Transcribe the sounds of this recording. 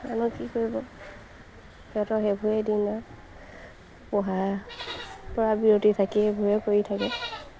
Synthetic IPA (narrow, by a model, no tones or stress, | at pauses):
a̰nɔkikoɹibɔ | tɛtɔxebʱuɛdina | pɔɦa | pɔɹabiɹotitʰakɛbʱuɛkoɹitʰakɛ